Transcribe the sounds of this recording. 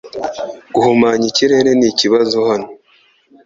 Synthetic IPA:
ɡ̥uhumaːɲiciɾe̞ɾeniciβazohano

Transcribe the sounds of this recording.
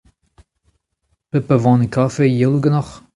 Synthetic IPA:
pəpəvɑ̃ːnəkʰafejɪlˠuɡənɔχ

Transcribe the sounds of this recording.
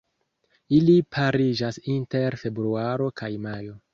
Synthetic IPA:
ilipʰaɾid͡ʒasinte̞ɾfe̞bɾuaɾo̞kʰajmajo̞

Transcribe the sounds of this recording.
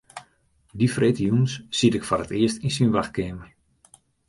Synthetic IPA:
difreːtjunssitɪkfɔrətɪəstinsinʋaxkeːmə

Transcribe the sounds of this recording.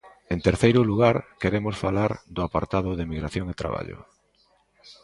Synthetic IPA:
ent̪eɾθejɾʊluɣ̞aɾkeɾemʊsfalaɾd̪ʊapaɾt̪aðʊðɪmiɣɾaθjoŋet̪ɾa̰βa̰ʎʊ̰

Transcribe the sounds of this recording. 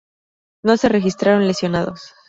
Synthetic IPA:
no̞se̞re̞xist̪ɾaɾo̞nle̞sjo̞naðo̞s

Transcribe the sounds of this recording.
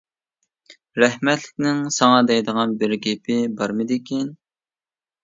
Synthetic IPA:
ɾɛhmɛt̪lɪk̚ʲnɪŋsɑŋɑd̪ɛjd̪əʁɑnbɪɾɡʲɛpʰɪbɑɾmɨd̪ɪkʲʰɛn

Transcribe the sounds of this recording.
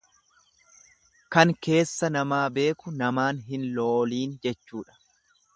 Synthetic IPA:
kɐŋke̞ːsːɐnɐmaːbe̞ːkʊnɐmaːnɦɪnloːliːnd͡ʒɛt͡ʃːuːᶑɐ̥

